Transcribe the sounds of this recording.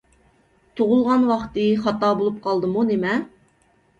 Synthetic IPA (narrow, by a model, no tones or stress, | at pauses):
t̪ʰoʁʊlˠʁɑnwɑχt̪ɨχɑt̪ɑːbolˠup̚qʰɑlˠd̪ɨmunemɛ